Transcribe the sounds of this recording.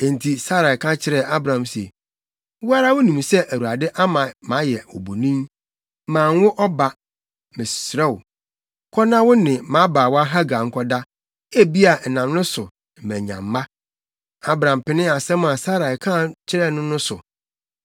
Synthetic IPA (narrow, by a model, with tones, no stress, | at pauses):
ɛ̃˨n˨tʰi˨sa˦ɾa˨ɪ˨kʰã˦t͡ɕʰɪ˦ɾɛ˦˨a˦bɾã˨msi˨ɛ˨ | wʊ˦a˦ɾa˦wʊ˦nĩ˨m˨sɛ˦ʔæ˨wu˨ɾa˨dɪ˦ʔa˦mã˨mã˨˦jɛ˨ɔ̰˨bo˨nĩ˦m | mãː˨ŋ˦wʊ˦ʔɔ˦ba˨ | mɪ̃˨sɾɛ˦wʊ˨˦ | kʰɔ˦nã˦wʊ˦nɪ̃˨mã˨˦baː˨wɔ˦a˦ɦa˦ɡa˨ŋ̩˦kʰɔ˦da˦ | e˦bi˦a˨nã˨mnʊ̃˦sʊ˨ | m̩˨mæ̃˨ɲã̰˨mː˦a˦ | a˦bɾã˨m˨pɪ˨nɪ̃˦a˨sɛ̃˦m˦ã˨sa˦ɾa˨kʰã˦˨t͡ɕʰɪ˦ɾɛ˦nʊ̃˦nʊ̃˦sʊ̰˨